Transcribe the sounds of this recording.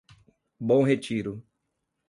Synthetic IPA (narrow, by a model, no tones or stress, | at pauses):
bõw̃ɦet͡ʃiɾʊ